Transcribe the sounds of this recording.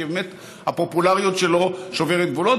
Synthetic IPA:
ibemet̪ | hapopulaʁijot̪ʃelo̞ʃoveʁet̪̚ɡvulot

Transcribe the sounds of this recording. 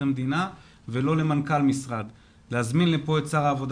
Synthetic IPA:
emd̪ina | velo̞le̞mankalmisʁad̪ | lehazminlepo̞et͡saʁaːvo̞d̪

